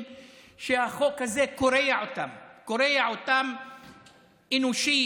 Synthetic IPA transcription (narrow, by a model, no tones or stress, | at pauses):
ʃehaχokːazekoɾejaʕot̪amkoɾejaʕot̪am | ʔinuʃi